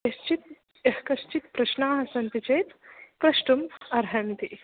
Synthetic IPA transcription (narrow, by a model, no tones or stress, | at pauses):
jɐʃt͡ʃit̪̚ | ɐhkɐʃt͡ʃit̪pɾɐʃnaːɦɐsɐnt̪it͡ʃeːt̪pɾɐʃʈumɐɾɦɐnt̪i